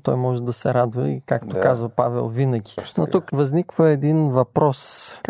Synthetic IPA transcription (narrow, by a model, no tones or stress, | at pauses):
t̪ɔjmɔʒɛd̪ɐsɛɾad̪vəikakt̪okazvəpavɛ̰lˠvinəɡʲinot̪ukvɐznikvəɛd̪invɐpɾɔsk